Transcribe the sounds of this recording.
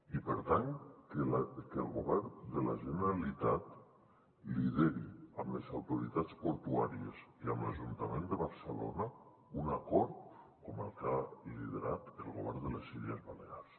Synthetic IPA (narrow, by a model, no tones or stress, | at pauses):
ipəɾt̪aŋkkəlˠɣuβɛrnd̪əlaʒənəɾalit̪at̪ | liðeɾiəmləzawt̪uɾit̪at͡spoɾt̪uaɾiəsiəmlaʒunt̪amend̪əβaɾsəlo̰na | unakɔɾt̪kɔməlˠkaliðeɾat̪əlˠɣoβɛɾnd̪ələsiliəzβaleas